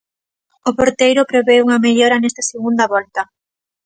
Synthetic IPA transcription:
opoɾt̪ejɾʊpɾeβeuŋɐmeʎɔɾɐnɛst̪ɐseɣund̪ɐβɔlt̪ɐ

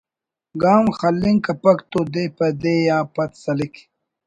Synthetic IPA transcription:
ɡaːmxɐlːiŋkɐpɐkt̪od̪epɐd̪eːjaːpɐt̪sɐlik

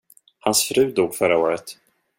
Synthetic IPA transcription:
hansfɾʉ̟ːd̪uːɡfœɾaoːɾət̪

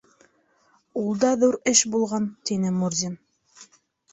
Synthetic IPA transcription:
ulˠd̪ɑðuɾɘʃbulˠʁɑnt̪inɘmuɾzʲin

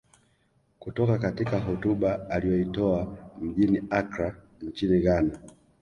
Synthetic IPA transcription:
kutɔkakatikaɦɔtuɓaːlijɔitɔam̩ʄiniakɾa | ɲt͡ʃiniɣana

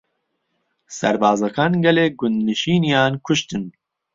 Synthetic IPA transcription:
sæ̰ɾbɑːzɐkʰɑːnɡɛleːɡʊnd̪nɨʃiːnijɑːnkʰʊʃt̪ɨn

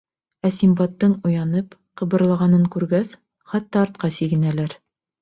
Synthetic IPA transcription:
æsimbɑt̪ːɤɴujɑnɤpqɤ̆bɤ̆ɾlˠɑʁɑnɤɴkʉɾɡæs | χɑt̪ːɑːɾt̪̚qɑsiɡɘ̆nælæɾ

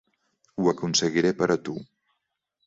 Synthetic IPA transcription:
uəkunsəɣiɾepəɾət̪u

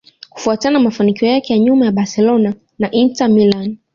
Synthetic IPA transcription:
ku̥fuatananamafanikiɔjakɛjaɲumajaɓasɛlɔna | naʔintamilan

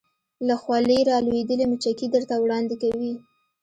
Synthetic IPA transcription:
laxwɑləjɾɑlued̪əlemut͡ʃakid̪əɾt̪awɽɑnd̪ɪkawi

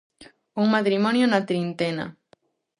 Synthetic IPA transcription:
uŋmat̪ɾimɔnjonat̪ɾint̪ena̰

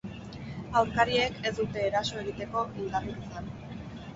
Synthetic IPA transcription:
awɾkaɾie̞kʰe̞zd̪ut̪e̞ːɾaso̞e̞ɣ̞it̪e̞ko̞ild̪arikit͡san

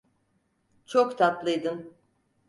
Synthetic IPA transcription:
t͡ʃʰokt̪ʰat̪lˠɯjd̪ɯm

